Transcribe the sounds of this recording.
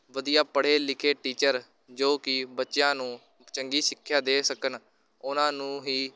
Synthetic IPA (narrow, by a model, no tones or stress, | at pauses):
ʋəd̪ijaːpəɽ̤eːlɪkʰeːʈiːt͡ʃəɾ | d͡ʒoːkɪbətːʃjãːnũː | t͡ʃəŋɡiːʃɪkʰːjaːd̪eːsəkən | ʊnãːnũːɦiː